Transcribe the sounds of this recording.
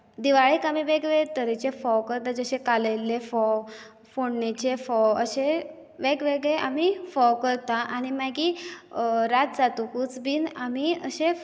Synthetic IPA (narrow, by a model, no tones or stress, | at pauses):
d̪iʋaɭikamiʋeɡʋet̪əɾet͡ɕefɔwkəɾt̪ad͡ʑəɕẽkaləjlefɔ | foɳnet͡ɕefɔəɕe | ʋeɡʋeɡɭeʔamifɔwkəɾt̪aʔañimaɡi | ɾat̪̚d͡zat̪ukuːt͡sbiːnamiəɕe